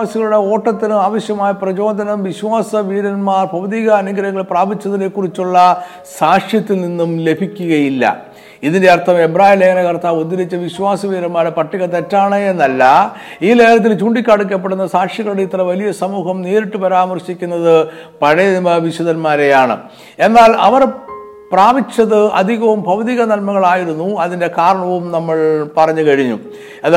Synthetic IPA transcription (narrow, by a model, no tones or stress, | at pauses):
aːsiɣɐɭuɽe̞o̞ːʈːɐt̪ːinuaːʋɐɕjɐmaːjɐprɐt͡ɕo̞ːd̪ʱɐnɐmʋiɕwaːsɐʋiːɾɐnmaːrpɐʋɐðiːɣɐːnɐŋɡɐɾɐŋːɐɭpraːbit͡ɕːɐðɐle̞kːurit͡ɕːuɭːɐ | saːkʂjɐt̪ːilninːumle̞bʱikʲːuɣɐjilːɐ̰ | iðindeɐrt̪ʰɐme̞braːhileŋːɐnɐkɐrt̪aːʋot̪ːiɾit͡ɕːɐʋiɕwaːsɐʋiːɾɐnmaːɾepɐʈːiɣɐt̪ːetːaːɳeenːɐlːɐ | iːneːɐɾɐt̪̬ːilt͡ɕuːɳɖikʲːaːɽuk̬ʲːɐp̬ːe̞ɽunːɐsaːkʂjiɣɐɽet̪ːrɐʋɐlijɐsɐmuːɦɐmne̞ːɾiʈːɨpɐɾaːmɐrɕikʲːunːɐðɨpɐɻeʋiɕɐðɐnmaːɾejaːɳɨ̰ | e̞nːaːlɐʋɐr | praːbit͡ɕːɐðɨɐ̰d̪ʱiɣɐʋumbʱɐʋɐðiɣɐnɐlmɐɣɐɭaːjiɾunːuɐðinde̞kaːɾɐɳɐʋumnɐmːɐɭpɐrɐɲːɨkɐɻiɲːṵ | ɐð